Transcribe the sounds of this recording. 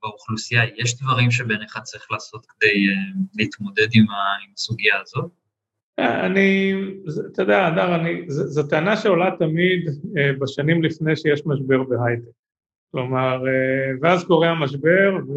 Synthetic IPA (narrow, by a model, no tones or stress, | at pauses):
bauχlusijajeʃd̪vaʁimʃ̬ebeneχat͡saʁiχlaːso̞t̪kd̪ejeliːt̪mo̞d̪e̞d̪imaimasuɡijaːzot̚ | aa̰nizet̪ed̪ead̪aʁanizezet̪eanaʃeo̞lat̪amid̪ebaʃanimlifne̞jʃejeʃmaʃbe̞ʁbe̞ɦajt̪ek | klo̞maʁeveazko̞ʁeamaʃ̬be̞ʁv